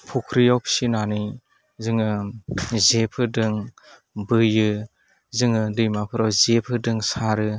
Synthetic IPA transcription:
pʰukʰɾijɔwpʰsinani | zɯŋɯ | zepʰɯdɯŋ | bɯjɯ | zɯŋɯdɯjmapʰɯɾɔwzepʰɯdɯŋsaɾɯ

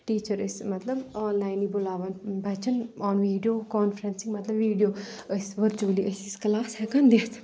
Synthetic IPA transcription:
ʈiːt͡ʃəɾismɐt̪lɐbɔːnlaːjnibʊlaːʋɐnbɐt͡ʃɐnɔːnʋiːɖijoːkɔːnfɾənsĩŋmɐt̪lɐbʋiːɖijoːəsʋəɾt͡ʃuliʔəsisklaːshɛkɐnd̪eːt̪ʰ

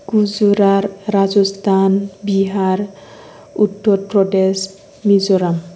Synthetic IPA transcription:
ɡuzuɾaɾːazɔst̪ʰanbiɦaɾ | utːɔɾpɾɔdes | mizɔɾam

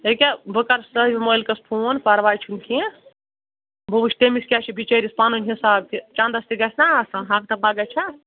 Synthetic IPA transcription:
ekʲabəkɐɾsəɦbʲimojlkɐspʰonpɐɾʋaːjt͡ʃʰunkʰiẽ | bʱubut͡ʃʰʈemiskʲat͡ʃʰibʱit͡ʃɐɾispanunʲɦisaːb̚kit͡ʃãnd̪ɐst̪iɡɐsʰnasɐ̃ɦãk̚t̪ɐpaɡɐt͡ʃʰa

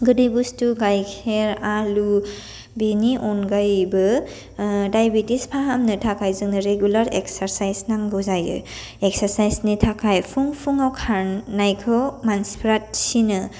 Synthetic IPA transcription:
ɡɯdɯjbustuɡajkʰeɾalu | beniʔɔnɡajbɯ | dajbitispʰaɦamnɯtʰakajzɯŋnɯɾeɡjulaɾeksaɾsajsnaŋɡɯzajɯ̰ | eksaɾsajsnitʰakʰajpʰuŋpʰuŋawkʰaɾnːajkʰɔmanspʰɾat̚sinɯ

